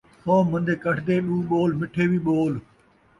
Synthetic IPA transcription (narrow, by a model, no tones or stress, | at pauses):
hoːmə̃nd̪ʱeːkəʈʰd̪eːɗuːɓoːlmɪʈʰeːbiːɓoːl